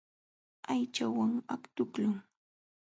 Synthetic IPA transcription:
ajt͡ʃawaŋakt̪ʊklʊŋ

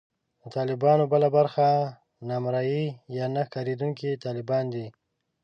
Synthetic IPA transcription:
d̪ət̪ɑlɪbɑnobəlabaɾxa | nɑmɾɑjijɑnaxkɑɾed̪uŋkit̪ɑlɪbɑnd̪i

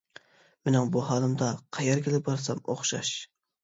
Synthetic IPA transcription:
menɪŋbuɦɑːlˠɨmd̪ɑqʰɑjɑɾɡʲelɪbɑɾsɑmoχʃɑ̰ʃ

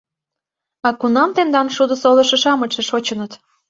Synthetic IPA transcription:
ɑkunɑmt̪end̪ɑmʃud̪ɤ̆solɤ̆ʃə̆ʃɑmət͡ʃeʃot͡ɕə̆nət̪

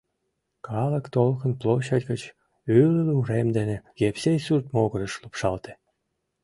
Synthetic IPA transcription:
kʰɑlə̆kt̪olkə̆nploɕɑdʲɡə̆t͡ɕ | ylluuɾemd̪enĕɣepsejsyrt̪moɣə̆ɾə̆ʃlupʃɑlt̪e̥

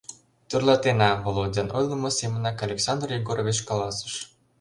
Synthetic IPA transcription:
t̪ørlˠɑt̪enɑvolˠodʲɑnʔojlˠəmosemənɑkɑlʲeksɑnd̪riɡoɾovʲet͡ɕkɑlɑsə̥ʃ

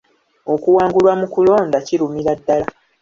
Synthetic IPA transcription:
o̞kuwaːŋɡulwamukulo̞ːndaciɾumiɾadːala

